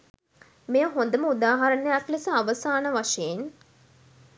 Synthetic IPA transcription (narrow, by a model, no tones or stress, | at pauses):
mejəɦond̪əməud̪aːɦaɾənejaklesəaʋəsaːnəʋaʂejen